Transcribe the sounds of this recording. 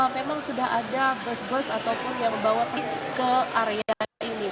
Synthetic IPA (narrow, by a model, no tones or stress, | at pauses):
əmemaŋsudaɦadabəsbəsat̪awpʊnjaŋməmbawapikəʔaɾeaini